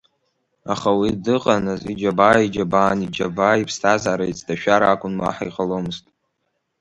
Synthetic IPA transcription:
aχawidɨqʼanɨzid͡ʒabaːid͡ʒabaːnid͡ʒabaipʰstʰazaɾait͡sʰʼdʰaʃᶣaɾaaːkʷʼʊnma̰ħaiqʼalomɨztʼ

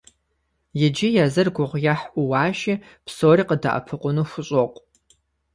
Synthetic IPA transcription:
jɪd͡ʒɪjazɨrɡʷʊʁʷjaħʔʷʊwɑːʃi | pʰsoːriːqəda̰ʔɐ̰pʰɨqʷʼʊnuxʷʊɕʼoqʷʼ

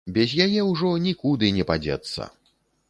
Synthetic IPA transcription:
bʲɛzʲjajɛwʐɔnʲikud̪ɨnʲɛpad͡zʲɛ̰t̪sːɐ̰

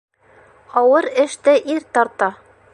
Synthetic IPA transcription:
ɑwɤɾɘ̆ʃt̪ɘʔiɾt̪ɒɾt̪ɑ

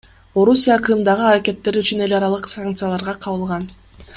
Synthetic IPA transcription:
o̞ɾusʲijakrɨmd̪ɑʁɯaɾake̞t̪ːe̞ɾyt͡ʃyne̞lʲɑɾɑlˠɯqsaŋk̚t̪sɨjalˠɑɾʁɑqʰɑβɯlˠʁɑn

